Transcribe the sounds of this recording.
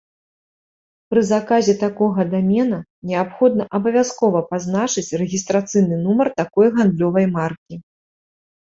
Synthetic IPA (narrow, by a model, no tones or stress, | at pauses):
pɾɨzakazʲɛt̪akɔɣɐd̪amʲɛnɐnʲɛapxɔd̪̚nɐʔɐbɐvʲaskɔvɐpaznat͡ʂɨt͡sʲrɛɣʲist̪ɾat̪sɨjnɨnumɐrt̪akɔjɣand̪lʲɔvɐjmarkʲi